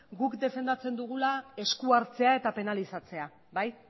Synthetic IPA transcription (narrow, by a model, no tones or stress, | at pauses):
ɡukd̪e̞fe̞nd̪at͡se̞nd̪uɣ̞ulae̞skuaɾt͡se̞ae̞t̪ape̞nalisat͡se̞a | baj